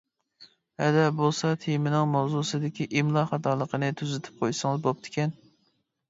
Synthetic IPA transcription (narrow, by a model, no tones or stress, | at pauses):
hɛd̪ɛbolˠsɑt̪ʰijmɪnɪŋmɑwzusɨd̪ɪkʲiʔimlˠɑχɑt̪ʰɑːlˠəqʰənɨt̪ʰyzɪt̪ʰɪ̥p̚qʰojsɨŋɨzbop̚t̪ʰɪ̥kʲɛn